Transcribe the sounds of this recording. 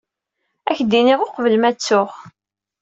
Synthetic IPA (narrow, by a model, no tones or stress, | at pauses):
æçd̪inɪʁoqvəlmæt͡sːʊχ